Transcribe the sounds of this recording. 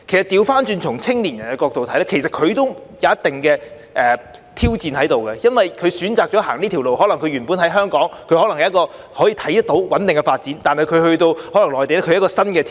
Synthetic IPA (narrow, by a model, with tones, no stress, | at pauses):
kʰe˨˩jsɐ˨t̚t̪iː˧wfaː˥nt͡ʃyː˧nt͡sʰʊ˨˩ŋt͡sʰɪ˥ŋliː˨˩njɐ˨˩nkɛ˧kɔː˧k̚t̪o˨wt̪ʰɐ˨˥jlɛː˥kʰe˨˩jsɐ˨t̚kʰɵ˨˧ɥt̪o˥wjɐ˨˧wɐ˥t̪̚ɪ˨˩ŋkɛː˧ | ʔɛː˨˩ | t̪ʰiː˥wt͡siː˨˧nhɐ˨˥jt̪o˨wkɛ˧jɐ˥nwɐ˨jkʰɵ˨˧ɥsyː˨˥nt͡saː˨˧k̚t͡ʃɔː˨˥haː˨˩ŋliː˥t̪ʰi˨˩wlo˨whɔː˨˥lɐ˨˩ŋkʰɵ˧ɥyː˨˩npuː˨˥nɦɐ˨˥jɦœː˥ŋkɔː˨˥ŋkʰɵ˨˧ɥhɔː˨˥lɐ˨˩ŋjɐ˨˦ɐ˥kɔː˧ | hɔː˨˥jiː˧t̪ʰɐ˨˥jt̪ɐ˥t̪o˨˥wwɐ˨˥nt̪ɪ˨ŋkɛ˧faː˧t̚t͡siː˨˥nt̪aː˨nɦɐ˨jkʰɵ˨˧ɥhɵ˧ɥt̪o˧whɔː˨˥lŋlɔː˨jt̪e˨jlɛː˥kʰjkɔː˧sɐ˥nkɛː˧